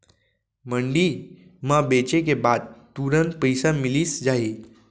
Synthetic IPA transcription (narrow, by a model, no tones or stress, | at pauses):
məɳɖimãbet͡ʃek̬ebaːd̪̚t̪uɾənpəjsamilisd͡ʒaɦe